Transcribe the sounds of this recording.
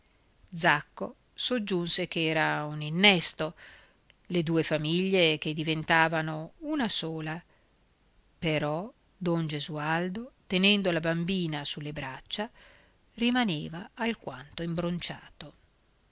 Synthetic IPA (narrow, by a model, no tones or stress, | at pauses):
d̪zakːo̰ | sod͡ʒːunsekeɛːɾauninːɛst̪o | led̪uːefamiʎːek̟ed̪ivent̪aːvanounasoːla | peɾɔ | d̪ɔnd͡ʒezuald̪ot̪enɛnd̪olabambiːnasulːebɾat͡ʃːa | rimaneːvaːlkwant̪oimbɾont͡ʃaːt̪o